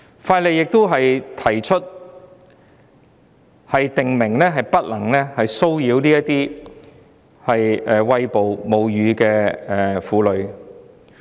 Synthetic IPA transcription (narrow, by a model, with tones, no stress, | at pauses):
faː˧le˨jjɪ˨k̚t̪o˥wɦɐ˨jt̪ʰɐ˨˩jt͡ʃʰɵ˥t̚ | hɐ˨jt̪ɪ˨ŋmɪ˨˩ŋlɛː˥ɦɐ˨jpɐ˥t̚lɐ˨˩ŋlɛː˥hɐ˨jso˥wjiː˨˧˥wliː˥jɐ˥t̪iː˥ | hɐ˨jɛː˨˩wɐ˧jpo˨wmo˨˧wjyː˨˧kɛː˧ɛː˨˩fuː˨˧lɵ˨˧ɥ